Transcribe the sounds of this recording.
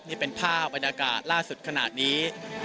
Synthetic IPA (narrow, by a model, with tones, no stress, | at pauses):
niː˥˩pe˧npʰaː˥˩p̚ba˧njaː˧ka̰ː˨˩t̪̚laː˥˩su˨˩t̪̚kʰa˧na̰ː˨˩t̪̚niː˦˥